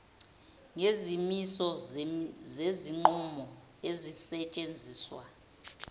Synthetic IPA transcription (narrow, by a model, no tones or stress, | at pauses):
ŋezimisɔ | zeziŋ͡ǃumɔ | ezisɛt͡ʃʼend͡zʱiːswa̰